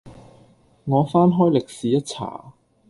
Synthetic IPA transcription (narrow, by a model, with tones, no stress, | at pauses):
ŋɔː˨˧faː˥nɦɔː˥jlɪ˨k̚siː˨˦jɐ˥t̚t͡sʰa̰ː˨˩